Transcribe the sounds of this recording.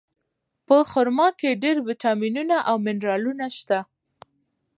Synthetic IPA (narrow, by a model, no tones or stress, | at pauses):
pəxʊɾmɑkeɖeɾwɪʈɑminunaʔawmɪnɾɑlunaʃt̪a